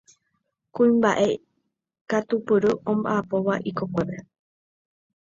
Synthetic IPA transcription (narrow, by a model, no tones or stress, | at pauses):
kũĩmbaʔe̞ | kat̪upɨɾɨʔõ̞mba̰ʔapo̞ʋaʔiko̞kʷe̞pe̞